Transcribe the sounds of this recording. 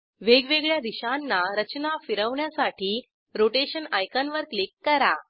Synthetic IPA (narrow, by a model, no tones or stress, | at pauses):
ʋeɡʋeɡɭjad̪iɕanːaɾət͡ɕnafiɾəʋɳjasaʈʰiː | ɾoʈeɕənajkanʋəɾklikːəɾa